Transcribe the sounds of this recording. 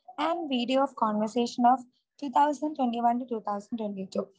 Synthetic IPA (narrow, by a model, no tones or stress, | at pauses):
ɛ̃ɳʋiːɖijoɔːʋkɔ̃ːnʋəɾseːʃə̃nɔːʋ | ʈuːt̪ʰaʊzə̃ɳɖʈwẽɳʈiʋɐ̃nʈuʈuːt̪ʰaʊzə̃ɳɖʈʋẽɳʈiʈuː